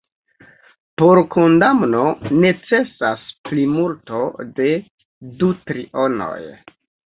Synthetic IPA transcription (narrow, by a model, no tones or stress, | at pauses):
po̞ɾko̞ndamno̞ne̞t͡se̞sasplimulto̞de̞ | dutɾiʔono̰j